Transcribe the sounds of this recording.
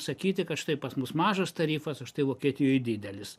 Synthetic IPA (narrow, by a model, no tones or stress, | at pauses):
sɐkʲiːt̪ʲɪkɐtʃɪt̪ɐɪpɐsmʊsmɑːʒɐst̪ɐɾʲiːfɐsɐʃt̪ɐɪʋoːkʲiɛt̪ʲɪjoːjd̪ʲiːd̪ʲɛlʲɪs